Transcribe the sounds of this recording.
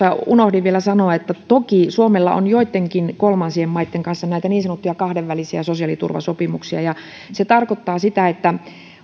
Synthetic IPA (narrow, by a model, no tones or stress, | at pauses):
ɑunohdiʋʋielæsɑnoɑet̪ːæt̪okisuomelːɑ̰o̰njoit̪ːeŋkinkolmɑnsiemmɑit̪ːeŋkɑnsːɑnæˑit̪æniːnsɑnot̪ːujɑkɑhdeʋːælisiæsosiɑlit̪ṵrʋɑ̰sopimuksiɑjɑ | set̪ɑrkot̪ːɑːsit̪æet̪ːæ